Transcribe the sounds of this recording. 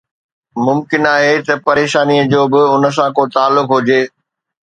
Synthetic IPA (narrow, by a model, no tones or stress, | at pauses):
mʊmkɪnaːɦet̪ɐpɐɾeːʃaːniəd͡ʑoːbɪʊnə̆s̬ãkot̪aːlːʊkɦʊd͡ʑeː